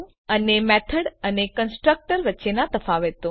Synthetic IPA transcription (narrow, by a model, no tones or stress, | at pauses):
ənemɛt̪ʰəɽənekənsʈɾək̚ʈəɾʋətːʃenat̪əfaʋet̪õ